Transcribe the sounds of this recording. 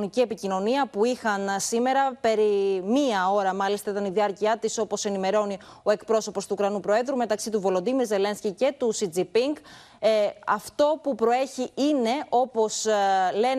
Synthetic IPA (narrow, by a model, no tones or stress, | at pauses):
nicie̞picino̞niɐpuixɐnsime̞ɾɐpe̞ɾimiɐo̞ɾɐmɐlist̪ɐit̪ɐniðiɐɾciɐt̪iso̞po̞se̞nime̞ɾo̞nio̞e̞kpɾo̞so̞po̞st̪ukɾɐnupɾo̞e̞ðɾume̞t̪ɐksit̪uvo̞lo̞d̪imiɾze̞le̞nscice̞t̪usid͡zipiŋɡ | ɐft̪o̞pupɾo̞e̞çiine̞ʔo̞po̞sle̞